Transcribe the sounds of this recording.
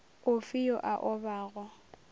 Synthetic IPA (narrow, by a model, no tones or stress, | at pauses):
ʊfijɔʔaʔɔbaːɣɔ